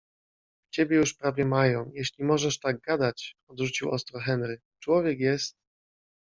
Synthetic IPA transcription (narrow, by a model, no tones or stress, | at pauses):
t͡ɕebʲjɛjuʂpɾavʲjɛmajɔ̃w̃jɛɕlʲimɔʐɛʂt̪aɡ̚ɡad̪at͡ɕɔd̪ʐut͡ɕiwɔ̰st̪ɾɔxɛnɾɘ | t͡ʂwɔvʲjɛkjɛst̪̚